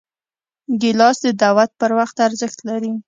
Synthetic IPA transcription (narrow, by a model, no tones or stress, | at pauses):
ɡelɑsd̪əd̪awat̪̚pəɾwaxt̪aɾzəxt̪laɾi